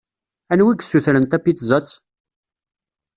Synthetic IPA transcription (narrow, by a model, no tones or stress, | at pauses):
ænwiɡsuθɾənt̪æpːit̪zˤət͡sː